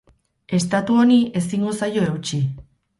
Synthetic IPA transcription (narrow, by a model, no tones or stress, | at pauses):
e̞st̪at̪uo̞nie̞siŋɡosajo̞e̞wt͡ʃi